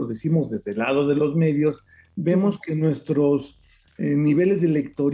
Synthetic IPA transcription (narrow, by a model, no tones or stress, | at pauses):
oðesimo̞zðe̞zðelaðo̞ðe̞lo̞zme̞ðjo̞s | be̞mo̞ske̞nwe̞st̪ɾo̞s | niβ̞e̞le̞zðele̞kt̪o̞ɾ